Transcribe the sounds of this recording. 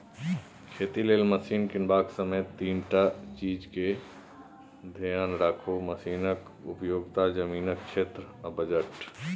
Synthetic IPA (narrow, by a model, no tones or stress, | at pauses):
kʰeːt̪ileːlməsiːnkɪnbaːksəmeːt̪ːiːnʈat͡ʃiːd͡ʒke | d̪ʱijaːnɾaːkʰoməsiːnək | ʊ̰pjoːɡt̪ad͡ʒəmiːnək̚ʃʰeːt̪ɾəbəd͡ʒəʈ